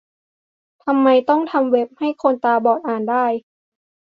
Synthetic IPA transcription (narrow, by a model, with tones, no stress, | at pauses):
t̪ʰa˧mːa˧jt̪ɔ˥˩ŋt̪ʰa˧mwe˦˥p̚ha˥˩jkʰo˧nt̪aː˧bɔː˨˩t̪̚ʔaː˨˩ndaː˥˩j